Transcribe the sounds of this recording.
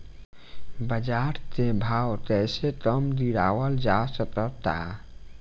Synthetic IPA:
bəd͡ʒaɾt̪ebʱawt̪ɛset̪əmd̪iɽawəld͡ʒasəkət̪a̰

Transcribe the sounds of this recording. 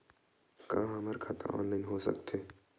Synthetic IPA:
kãːɦɐməɾkʰɐt̪aɔ̰ːnlaːɪnɦoːsɐ̰kt̪ʰeː

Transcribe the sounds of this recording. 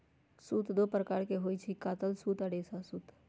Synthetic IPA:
suːt̪d̪oːpɾəkaːɾkeɦoːit͡ʃʰikaːt̪əlsuːt̪əɽeːsasuːt̪

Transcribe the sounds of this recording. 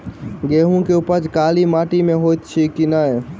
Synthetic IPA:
ɡeːɦũkeʊpəd͡ʒkaːlimaːʈimẽɦoːjt̪t͡ʃʰikinaːɦe

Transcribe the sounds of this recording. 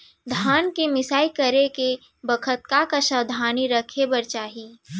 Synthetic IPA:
d̪ʱaːnkemɪsaːikɐɾeke | bəkʰət̪̚kakaʃəwd̪ʱaːniɾəkʰebɐɾt͡ʃaːɦiː

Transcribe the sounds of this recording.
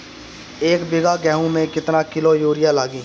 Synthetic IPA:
eːkbɪɡaːɡɛ̃ːɦũmẽkɪt̪naːkɪloːjoːɾɪjãːlaːɡiː

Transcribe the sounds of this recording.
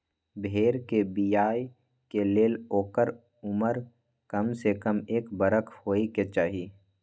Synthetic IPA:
bʱeːɾkebijaːj | keleːloːkəɾ | ʊməɾ | kɐmsekəmeːkbəɾəkʰhoːiket͡ʃaːɦi

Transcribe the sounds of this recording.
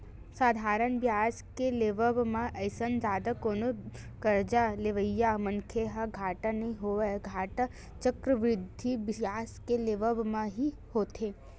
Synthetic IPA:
saːd̪ʱaːɾənbjaːskeleːʋəbmãʔɐɪsənd͡ʒaːd̪akoːno | kɐɾd͡ʒaleʋəjːamɐŋkʰeɦaɡʱaːʈanɐɦĩɦoɡʱaːʈa | t͡ʃəkɾəʋɾɪd̪ʱːibjaːskeleːʋəbmãɦi | hoːt̪eː

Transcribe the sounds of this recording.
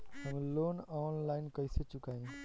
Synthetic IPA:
həmloːnɔːnlaɪnkəjset͡ʃukaĩ

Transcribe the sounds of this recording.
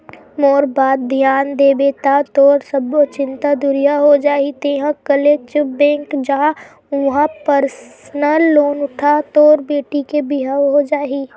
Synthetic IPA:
moːɾbaːd̪̚d̪ʱjaːnd̪eːbet̪at̪ɔːɾsəbot͡ʃɪ̃nt̪ad̪ʊɾijaɦod͡ʒaːit̪eːɦãkəlet͡ʃəbɛ̃ːŋkd͡ʒa | ʊɦãpəɾsnəlːoːnʊʈʰat̪oːɾbeːʈikebɪɦaɦod͡ʒaːɦiː

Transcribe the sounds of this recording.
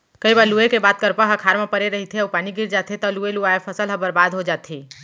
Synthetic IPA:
kəibaːɾluekebaːt̪̚kəɾpəɦɐkʰaːɾmãpəɾeɾəɦit̪ʰeʊpaːniɡɪɾd͡ʒaːt̪ʰet̪ɔlueluaepʰəsəlɦəbəɾbaːd̪ʱɦod͡ʒaːt̪ʰiː

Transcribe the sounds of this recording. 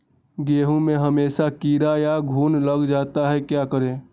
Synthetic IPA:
ɡeːɦõmẽɦəmeːʃakiːɾajaɡʱuːnləɡd͡ʒaːt̪aɦɛkjaːkəɾẽː

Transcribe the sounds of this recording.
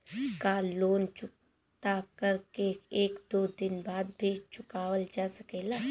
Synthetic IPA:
kaloːnt͡ʃʊk | t̪akəɾkeeːkd̪oːd̪ɪnbaːd̪bʱit͡ʃʊkaːwəld͡ʒaːsɐkeːlaː

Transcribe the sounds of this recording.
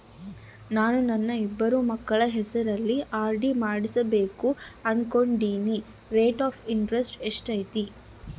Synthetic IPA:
naːnunɐnːɐibːɐɾumɐkːɐɭɐɦɛsɐɾɐlːiʔaːɾɖimaːɽisɐbe̞ːkuɐnko̞ɳɖiːni | ɾeːʈaːpʰiɳʈɾesʈeʂʈɐjt̪i

